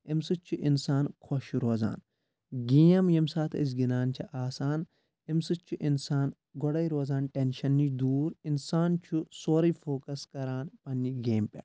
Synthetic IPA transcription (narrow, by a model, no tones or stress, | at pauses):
ɪmsɨt͡ʃʰːuʔɪnsaːnkʰɔʃɾoːza̰ːn | ɡiːɐmjemsaːt̪ʰɐis̬ɡinaːnt͡ʃʰɐʔaːsaːn | ɪmsɨt͡ʃʰːuʔɪnsaːn | ɡɔɽɐjɾoːzaːnʈenʃɐnːid̪uːɾɪnsaːnt͡ʃʰusoːɾɐfʰoːkɐskɐɾaːnpɐnːiɡeːmpʲʼɐ̰